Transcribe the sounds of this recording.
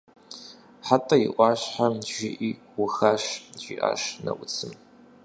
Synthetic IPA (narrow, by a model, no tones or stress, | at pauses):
ħatʼɐjiʔʷɑːɕħamʒiʔiːwʊxaːɕʒiʔa̰ːʃnɐ̰ʔʷʊt͡sʰɨm